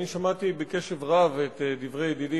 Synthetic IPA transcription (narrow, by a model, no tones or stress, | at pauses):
niʃamat̪ibeke̞ʃevʁavet̪ed̪ivʁejed̪idi